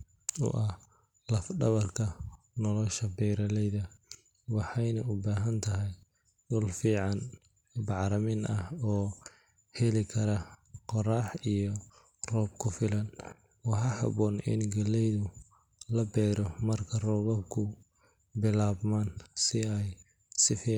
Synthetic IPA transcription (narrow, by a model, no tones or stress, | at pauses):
ɔ̰ʔɐh | lɐfɖɐβɐrkʰɐ | nɔlɔʃɐbɛːɾɐlɛjðɐ | wɑħɑjnɐʊbaːɦɐnt̪ʰɐɦɛj | dʊlfiːʕɑn | bɑʕɾɐmɪnɐhɔː | hɛlɪkʰɐɾɐqɔrɑːħijɔ | rɔːbkʰʊfɪlɐn | wɑħɑhɑ̰βɔːnɪ̰nɡɐlɛjðʊ | lɐbɛːɾɔmɐrkʰɐrɔːβɐkʰʊ | bɪlaːβmaːnsɪɛj | sɪfiː